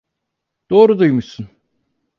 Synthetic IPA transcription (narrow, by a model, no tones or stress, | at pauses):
d̪̥oːɾud̪ujmuʃsun